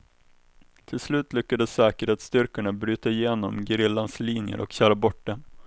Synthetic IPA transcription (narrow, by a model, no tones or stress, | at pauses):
t̪ʰɪlslʉ̟ːt̪lʏkːad̪əsːɛːkəɾheːt̪st̪ʏɾkəɳabɾyːt̪aɪjeːnɔmɡɾɪlːansliːnjə̰ɾʔɔ̰kɕœːɾabɔʈ̚ɖɛn